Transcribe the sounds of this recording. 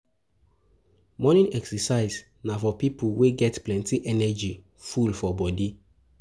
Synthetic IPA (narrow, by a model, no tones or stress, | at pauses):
mɔnĩnɛksɛsaɪz | nafɔpipʰulweɡɛtplɛ̃ntiʔɛnɛd͡ʒi | fulfɔbɔdi